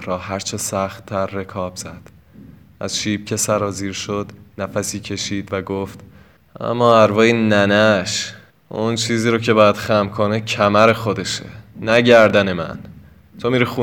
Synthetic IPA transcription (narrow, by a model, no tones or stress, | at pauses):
ɾɒːɦæɾt͡ʃʰesæxt̪ʰːæɾːe̞kʰɒːb̥z̥æd̪̥ | ʔæ̰z̥ʃiːb̥̚cʰe̞sæɾɒːziːɾʃod̪̥næfæsiːcʰe̞ʃiːd̪væɡoft̪ | ʔæ̰mːɒːæɾvɒːjinænæʃ | ʔunt͡ʃʰiːziːɾocʰe̞bɒːjæd̪̥xæmkʰonecʰæmæɾe̞xo̞d̪e̞ʃḛːæɟæɾd̪æne̞mæ̰n | t̪ʰomiɾixuː